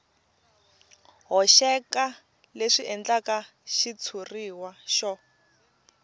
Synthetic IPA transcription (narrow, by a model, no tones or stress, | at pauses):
ɦɔʃɛka | leʂiʔɛnd͡ɮaka | ʃit͡sʰuriwaʃɔ